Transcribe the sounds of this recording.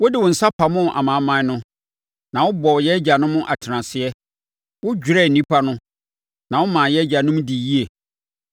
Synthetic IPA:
wʊ˦dɪ˨wʊ˨n̩˨sa˦pʰa˨mʊ̃˦˨ʔa̰˨mãː˨˦mã˦nʊ̃˦ | nã˨wʊ˦bɔ˨jɛ˦d͡ʑa˨nʊ̃˦mʊ̃˦ʔa˨tʰɪ˨nã˨sɪ˨ɛ˦ | wʊ˦d͡ʑᶣu˨ɾɛ˦˨n̩˨ĩ˦pʰa˦nʊ̃˦ | nã˨wʊ˦mãː˨jɛ˦d͡ʑa˨nʊ̃˦m˦dɪ˨ji˦e˨

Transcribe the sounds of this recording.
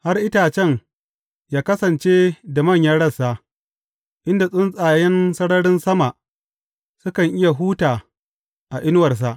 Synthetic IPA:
ha˦rʔɪ˦taː˨t͡ʃɛ˦ŋ | jaː˦kɐ˦sɐ˨nt͡ʃeː˦da˨mɐ˦˨ɲjɐ˦ɽɐ˦˨sa˦ʔ | ʔɪ˦nda˨sʼʊ˦nsʼaː˨jɛ˦nsɐ˦ɽɐ˦ɽɪ˦nsɐ˦ma˨ʔ | sʊ˦kɐ˨ŋʔɪ˦ja˨ɦuː˦taː˨ | ʔa˨ʔɪ˦n˦wɐ˨rs̬a˨ʔ

